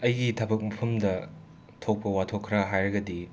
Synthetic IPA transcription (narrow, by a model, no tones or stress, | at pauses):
ɐjɡitʰɐbɐk̚mɐpʰɐmdɐ | tʰok̚pɐwatʰokʰːɾɐɦajɾɐɡɐdi